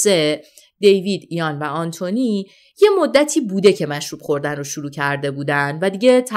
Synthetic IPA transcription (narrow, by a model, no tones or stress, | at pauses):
se̞ | d̪e̞jviːd̪ijɒnvæɒnt̪ʰoni | je̞mod̪ːæt̪ʰiːbuːd̪e̞cʰe̞mæʃɾuːb̥χo̞ɾd̪ænroʃuɾuːcʰæɾd̪e̞buːd̪ænd̪væd̪iɟe̞t̪ʰæ